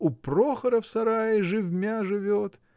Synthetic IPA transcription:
ʊproxəɾəfsɐɾajɪʐɨvʲmʲaʐɨvʲot̪

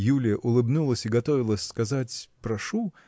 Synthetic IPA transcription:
julʲɪjəʔʊlˠɨbnulˠəsʲɪɡɐt̪o̞vʲɪlˠəsʲskɐzatʲpɾɐʂu

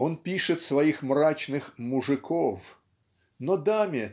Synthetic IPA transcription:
ɔnpʲiʂɨt̪svɐjixmrat͡ɕnɨxmʊʐɨkʰof | nɔd̪amʲɪ

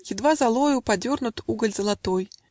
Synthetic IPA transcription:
jʲɪd̪vazalˠɔjʊpadʲɔrnʊt̪uɡəlʲzəlˠat̪ɔj

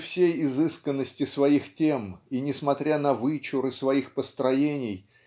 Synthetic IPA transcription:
fsʲejɪzɨskənːəsʲtʲɪsvɐixtʲeminʲɪsmɐt̪ɾʲanəvɨt͡ɕʊɾɨsvɐixpəst̪ɾɐjenʲɪj

